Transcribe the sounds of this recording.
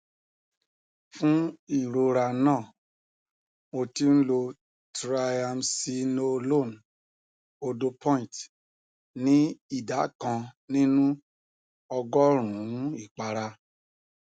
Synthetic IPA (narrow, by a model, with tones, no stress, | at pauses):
fũ˦i˦˨ɾo˧ɾa˧nãː˦˨ | mo˧ti˧n̩˦lo˧ | tɾa˧ja˧msi˧no˧lo˦˨n | o˧do˧pʰɔ̃˦ĩ˨t | nĩ˦i˦˨da˨˦kã˧nĩ˦nũ˦ | ɔ˧ɡɔ˦ɾ̃ũ˨˦i˦˨k͡pa˧ɾa˧